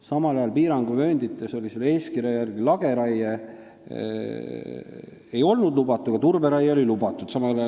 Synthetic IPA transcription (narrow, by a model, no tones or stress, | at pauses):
sɑmɑlɑjɑlpiːɾɑŋɡ̥umø̞ːnd̪it̪ːˑeso̞liselːe̞ːskirjɑjærɡ̥ilɑɡ̥e̞ɾɑje | e̞jo̞lnud̪lub̥ɑt̪ːˑuɡ̥ɑt̪urbeɾɑjeo̞lilubɑt̪ːˑud̪̥sɑmɑlɑjɑ